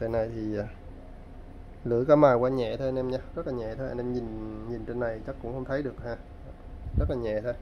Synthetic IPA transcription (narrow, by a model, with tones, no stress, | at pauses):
te˧˩nːa˨˩jt̪ʰi˨˩ʔaː˨˩ | lɨ̰˧˥˦kaː˨˦maː˨˩kwaː˧ɲɛ̰˧˨t̪ʰo˧ja˧nʔɛ˧mɲaː˧zə˦˥t̚laː˨˩ɲɛ̰˧˨t̪ʰo˧ʔa˧nʔɛ˧mɲi˨˩nɲi˨˩nt͡ɕe˧nːa˨˩jt͡ɕa˦˥kkʊ̰˧˥ŋ͡mhə˧wŋ͡mt̪ʰə˨˦jɗɨ˨˩ək̚haː˧˩ | zə˦˥t̚laː˨˩ɲɛ̰˧˨t̪ʰo˧j